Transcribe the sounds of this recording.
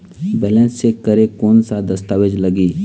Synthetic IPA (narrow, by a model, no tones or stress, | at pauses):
bɛːlɛ̃nsːekəɾekoːnsad̪əst̪aːʋed͡ʒləɡiː